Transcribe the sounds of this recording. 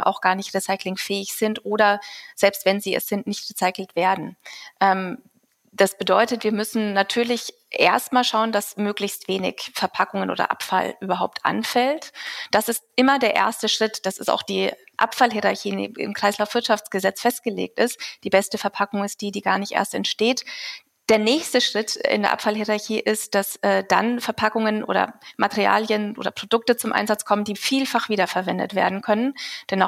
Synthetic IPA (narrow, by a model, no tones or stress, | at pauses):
ʔa̰ʊxɡ̥aːɐnɪçtʁesaɪklɪŋfɛːɪçz̥ɪntʔoːɾɐz̥ɛlpstv̥ɛnziːɛ̰sz̥ɪntnɪçtʁesaɪkl̩tv̥eːɐdn̩ʔɛm | d̥asb̥ədɔʏtətv̥iːɐmʏsn̩natʰyːɐlɪç | ʔeːɐstmaːlʃaʊəndasmøːklɪçstv̥eːnɪ̰çfɛɐpʰakʊŋənʔo̰ːdɐ̰ʔa̰pfa̰lʔyːbɐɦaʊp̚tʔa̰nfɛltd̥asɪst̚ʔɪmɐdeːɐʔḛːɐstəʃʁ̥ɪtd̥asɪsta̰ʊxd̥iːʔa̰pfalɦiʁaɐçiːn̰ːɪ̰mkʁ̥aɪslaʊfv̥ɪɐtʃaft͡sɡ̥əzɛt͡sfɛst̚ɡ̥əlḛːk̚tɪstd̥iːbɛstəfɛɐpʰakʊŋɪst̚d̥iːdiːɡaːɐnɪçtʔḛɐstɛ̰ntʃteːt | d̥eːɐnɛːçstəʃʁ̥ɪtɪ̰ndeɐʔa̰pfalɦiʁaɐçiːʔɪstd̥asɛːd̥a̰nfɛɐpʰakʊŋənʔo̰ːdɐ̰matɛʁia̰ːljənʔo̰ːdɐ̰pʁ̥odʊk̚tət͡sʊmʔa̰ɪnzat͡skʰɔməndiːfiːlfaχv̥iːdɐfɛɐvɛndə̰tv̥ḛːɐdn̩kʰœnənd̥ɛna